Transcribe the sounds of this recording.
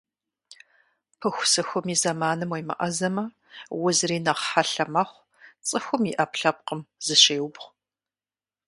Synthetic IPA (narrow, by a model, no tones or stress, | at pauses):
pʰɨxʷsɨxʷʊmiːzɐmaːnɨmwejmɐ̰ʔɐzɐmɐ | wʊzriːnɐqħaɬɐmɐχʷ | t͡sʼɨxʷʊmiʔɐpɬɐp̚qəmz̥ɨɕeːwʊbʁ